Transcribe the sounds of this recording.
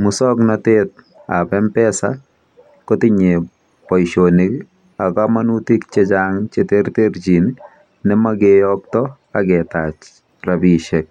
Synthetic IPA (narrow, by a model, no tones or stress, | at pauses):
musɔknɔtet̪̚ | a̰pɛmpɛsa | kotɪɲe | pɔjʃonik | akamanutikt͡ʃed͡ʒaŋt͡ʃet̪eɾt̪eɾd͡ʒinː | ɛmaɡejɔk̚t̪ɔ | aɡɛt̪at͡ʃ | ɾabiʃek̚